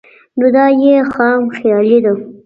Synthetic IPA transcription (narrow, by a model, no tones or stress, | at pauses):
nod̪ɑjexɑmxjɑlid̪a